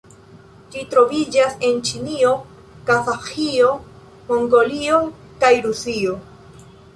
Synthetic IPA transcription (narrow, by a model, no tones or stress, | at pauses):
d͡ʒitɾo̞vid͡ʒase̞nt͡ʃinio̞ | kafaxio̞ | mo̞ŋɡo̞lio̞ | kajɾusio̞